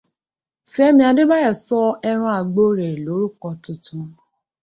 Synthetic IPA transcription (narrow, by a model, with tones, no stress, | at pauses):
sɛ˦ɛ˦mĩ˦a˧de˦ba˦jɛ˦˨sɔ˦ɛ˧ɾ̃ɔ̃˧a˨ɡ͡bo˦ɾɛ˨lo˨˦ɾu˦kɔ˧tũ˧tũ˨˦